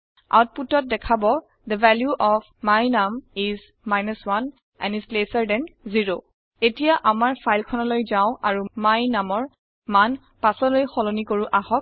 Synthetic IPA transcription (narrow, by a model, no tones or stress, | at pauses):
a̰wt̚putɔt̚dɛkʰabɔ | d̪əvɛljuʔɔf | majnamiz | majnəswan | ɛ̰̃nislesaɹdɛ̃nziɹo | etijaʔamaɹpʰajlkʰɔnɔlojzaʊ̃aɹumajnamɔɹ | man | pasɔlojxɔlonikoɹuʔahɔk̚